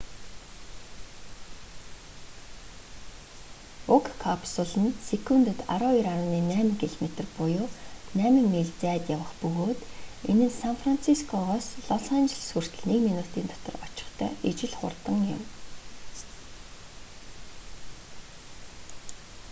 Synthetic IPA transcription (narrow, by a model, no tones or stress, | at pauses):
ʊkʰkʰːapʰsʊɮə̆nsekʰunt̪ə̆t̪a̰ɾʊːiɾaɾʊːniːnæːmə̆ŋkʰiɮmet̪ə̆rpʊjʊːnæːmə̆ŋmiɮt͡sæːt̪jawə̆χpɵɣoːt̪enɘ̆nsanfran̥t͡sʰiskʰɔʁɔːsɮɔɮant͡ɕɪ̆ɮsur̥t̪ɵ̆ɮnekminut̪iːnt̪ɔt̪ɞ̆rɔt͡ɕɪ̥̆χt̪ʰœ̰ːʔet͡ɕɪ̆ɮχʊ̰rt̪ə̆ŋjʊ̰̆m